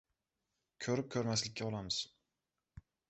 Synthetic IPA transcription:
kʲʰɵɾɪp̚kʲʰɵɾmaslɪkʲːaɒlˠamɪz̥

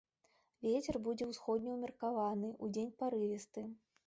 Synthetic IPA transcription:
vʲet͡sʲɛrbud͡zʲɛwsxɔd̪̚ʲnʲɛwmʲɛrkavanɨʔud͡zʲenʲpaɾɨvʲɛst̪ɨ

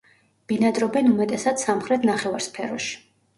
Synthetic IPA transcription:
b̥inad̪ɾɔbɛnumɛt̪ʼɛsad̪̥samχɾɛt̪ʰnaχɛvaɾspʰɛɾɔʃi̥

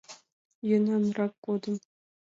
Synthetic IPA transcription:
jɤnɑnrɑkːod̪ɤ̆m

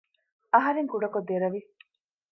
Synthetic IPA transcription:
ɐɦɐɾeŋkuɖɐkod̪eɾɐʋi

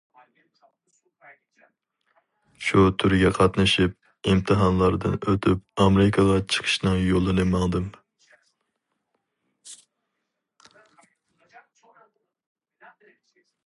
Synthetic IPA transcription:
ʃut̪ʰyɾɡʲɛqʰɑt̪nɨʃip̚ | imt̪ʰɨɦɑnlˠɑɾd̪ɨnøt̪ʰyp̚ɑmeɾɪkʰɑʁɑt͡ʃʰə̥qʰə̥ʃnɨŋjolˠɨnɨmɑŋd̪ɨm

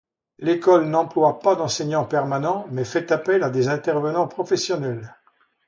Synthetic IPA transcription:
lekɔlnɑ̃plwapad̪ɑ̃sɛɲɑ̃pɛʁmanɑ̃mɛfɛt̪apɛlad̪ezɛ̃t̪ɛʁvənɑ̃pχɔfɛsjɔnɛl

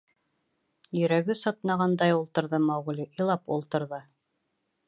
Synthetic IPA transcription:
jɵ̆ɾæɡɘsɒt̪nɑʁɑnd̪ɑjulˠt̪ɤ̆ɾðɤmɑʁulʲiʔilˠɑpṵlˠt̪ɤ̆ɾðɤ

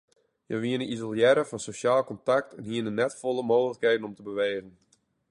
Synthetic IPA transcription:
jəʋiənəizolˠjɛɾəfɑnsoʃaːlˠkɔntak̚tɛnhiənənːɛtfolˠəmoːxələkheːdən̩ɔmtəbəʋeːɣən

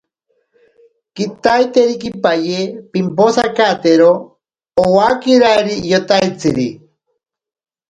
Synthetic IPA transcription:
kit̪ajt̪eɾikipajepimposakat̪eɾoː | wakiɾaiɾijot̪ajt͡siɾi

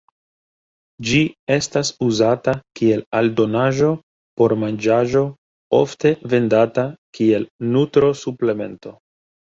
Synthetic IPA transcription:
d͡ʒie̞stasuzatakie̞laldo̞naʒo̞ | po̞ɾmand͡ʒaʒo̞ | o̞̰fte̞ve̞ndatakie̞lnutɾo̞suple̞me̞̰nto̞

